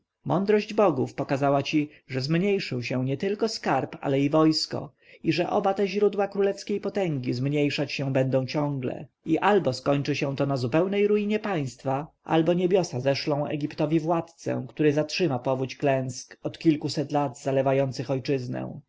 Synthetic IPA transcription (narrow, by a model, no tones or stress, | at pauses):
mɔnd̪ɾɔʑd͡ʑbɔɡufpɔkazawat͡ɕi | ʐɛzmɲejʂɘwɕɛ̃w̃ɲɛt̪ɘlkɔskaɾpa̰lɛivɔjskɔ̰ | iʐɛʔɔ̰bat̪ɛʑɾud̪wakɾulɛfskʲejpɔt̪ɛŋɡʲizmɲejʂat͡ɕɕɛ̃bɛnd̪ɔ̃w̃t͡ɕɔ̃ŋɡlɛ̰ | iʔalbɔskɔɲt͡ʂɘɕɛ̃t̪ɔnazupɛwnɛjɾuiɲɛpaj̃st̪faʔa̰lbɔɲebʲjɔsazɛʂlɔ̃w̃ɛ̰ɡʲipt̪ɔvʲivwat̪t̪sɛ̰̃kt̪uɾɘzatʂɘmapɔvut͡ɕklɛ̃skɔt̪kʲilkusɛt̪lad̪z̥alɛvajɔnt̪sɘxɔjt͡ʂɘznɛ̰̃